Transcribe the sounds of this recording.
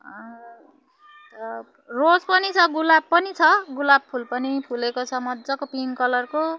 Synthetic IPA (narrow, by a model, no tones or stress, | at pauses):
ʌ | t̪ʌ | rod͡zpʌnit͡sʰʌɡulabpʌnit͡sʰʌɡulab̚pʰulpʌnipʰulekosʰʌmʌd͡zʌkopinkʌlʌrko